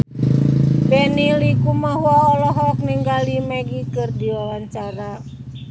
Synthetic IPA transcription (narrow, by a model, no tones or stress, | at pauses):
bɛnilikumahwɔːlɔɦɔk̚niŋɡalimɛɡikɨrdiwawaɲt͡ʃaɾa